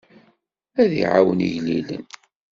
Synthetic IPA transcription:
æðḭʕawəniʝlilə̰n

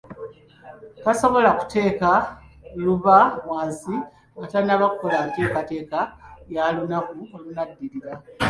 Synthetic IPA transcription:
kaso̞βo̞laku̥te̞ːka | luβawaːnsi | atanaβakʰolanteːkate̞ːkajalunakuolunadːiɾiɾa

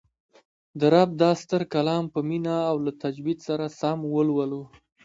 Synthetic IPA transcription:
d̪əɾab̚d̪ɑst̪əɾkalɑmpəminaːwlat̪ad͡ʒbid̪saɾasamwəlwəlu

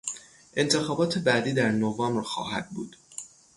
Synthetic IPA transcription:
ʔe̞nt̪ʰe̞xɒːbɒːt̪ʰe̞bæd̪iːd̪æɾnovɒːmbɾxɒ̰ːɦæ̰d̪̥̚bṵːd̪̥

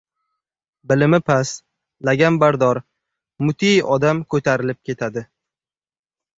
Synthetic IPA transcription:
bɪlɪmɪpʰas | laɡʲanbaɾd̪ɒɾ | mʊt̪ʰijɒd̪amkʰɵt̪ʰaɾɪlɪp̚kʲʰe̞t̪ʰad̪ɪ

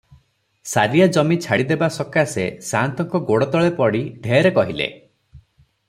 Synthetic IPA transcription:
saɾijad͡ʒɔmit͡ʃʰaɽid̪ebasɔkasḛsant̪ɔŋkɔɡoɽɔt̪ɔɭepɔɽiɖʱeɾekɔɦilḛ

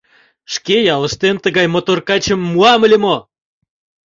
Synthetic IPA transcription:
ʃkejɑlə̆ʃt̪ent̪əɣɑjmot̪orkɑt͡ɕə̆mːuɑməlʲimo

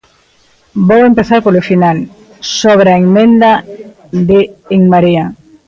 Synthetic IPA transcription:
bowempeθaɾpolʊfinal | soβ̞ɾaeŋmẽnd̪a | d̪eːŋmaɾia

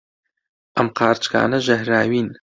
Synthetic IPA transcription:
amqɑːrt͡ʃʼkʰa̰ːnɐʒɐhraːɥiːn

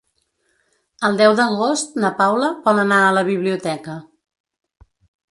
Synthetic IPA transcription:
əlˠd̪ɛwðəɣost̪̚nəpawləpɔlənaələβiβliut̪ɛkə

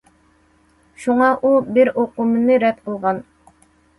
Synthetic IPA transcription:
ʃuŋɑʔubɪɾoqʊmɨnɨɾɛt̪̚qʰəlˠʁɑn

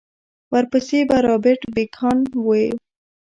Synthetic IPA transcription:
waɾpəsebaɾɑbeʈbekʰɑnwoe

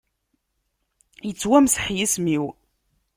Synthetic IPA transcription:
jət͡sːwæmsə̥ħjismiw

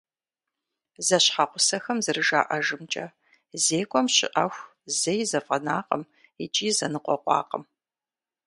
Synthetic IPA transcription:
zɐɕħaqʷʊsɐxɐmzɨrɨʒa̰ːʔɐʒɨmt͡ʃʼɐ | zeːkʷʼɔmɕɪ̰ʔɐxʷ | zɐjzɐfʼɐnaːqəm | it͡ʃʼiːzɐnɨqʷɔqʷʼɑ̰ːqʼəm

